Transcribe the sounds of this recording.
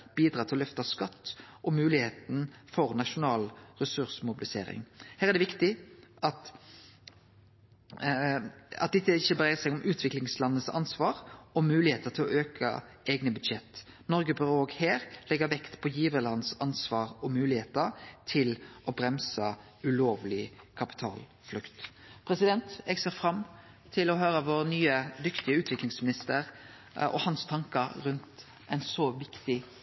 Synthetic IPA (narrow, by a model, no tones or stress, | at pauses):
b̥iːd̪ɾɑːt̪ɪlɔlœft̪ɑskɑt̪ːʔɔmʉːlɪheːt̪n̩fɔʁnɑʃʊnɑːlʁɛsʉʁsmʊbɪlɪsḛːɾɪ̰ŋhæːʁæd̪ɛʋɪkt̪ɪʔɑt̪ | ɑ̰t̪̚d̪ɛt̪ːəɪçːəbəɾæɪsæɪɔmʔʉːt̪ʰʋɪklɪŋslɑnːəsɑ̰nsʋɑːʁɔmʉːlɪheːt̪ət̪ʰɪlɔøːkʰə̰ʔeːɡnəbʉd̪ʃɛt̪ː | nɔʁɡəbʏɾoːɡheːʁlɛɡəʋɛkt̪pʰɔjiːʋəlɑnːsɑnsʋɑːʁɔmʉːlɪheːt̪əɾt̪ʰɪlʔɔbɾɛmsə | ʉloːʋlɪkʰɑpɪ̥t̪ʰɑ̰ːl | flʉkt̪ | pʰɾɛsɪd̪ɛnt̪ɛɡseːʁfɾɑm | t̪ʰɪlɔɦøːɾəʋoːɾnyːəd̪ʏkt̪ɪəʉːt̪ʋɪklɪŋsmɪnɪst̪əɾ | ʔɔ̰hɑnst̪ʰɑŋkəɾʉnt̪ | ʔæɪnsɔʋɪkt̪ɪ